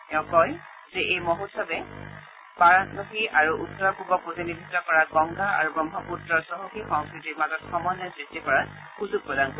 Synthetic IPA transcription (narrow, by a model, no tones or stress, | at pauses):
ɛʊ̃kɔj | zɛʔejmɔɦutsɔbɛ | paɹatnɔxiaɹuʔutːɔakubɔkuzenibʱitːɔkɔɹaɡɔŋɡaa̰ɹubɔmɦɔputɹɔsɔɦoxixɔŋskɹitiɹmazɔtxɔmɔnːɔzitikɔɹa | kusupɹɔdanko